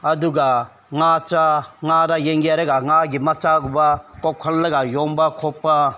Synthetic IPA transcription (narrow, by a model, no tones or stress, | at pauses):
ɐduɡa | ŋat͡ʃaŋaɾajeŋɡiaɾeɡaŋaɡimat͡ʃaɡubakɔkʰɔlːɐɡajɔŋbakʰɔpːa